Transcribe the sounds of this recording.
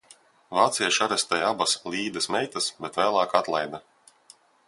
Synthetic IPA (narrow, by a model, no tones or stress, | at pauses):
vaːt̪sijaʃaɾɛsʲt̪ɛjabaslʲˠiːd̪ɐsmɛjt̪asbʲɛt̪væːlˠɑːkat̪lˠajd̪a